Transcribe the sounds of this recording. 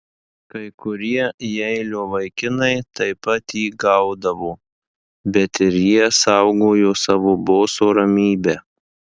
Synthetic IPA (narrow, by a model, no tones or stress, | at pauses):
kɐɪkʊɾʲiɛjɛɪlʲoːʋɐɪkʲɪnɐɪt̪ɐɪpɐt̪jiːɡɐʊd̪ɐʋoː | bʲɛt̪ɪɾjiɛsɐʊɡoːjoːsɑːʋoːboːsoːɾɐmʲiːbʲæː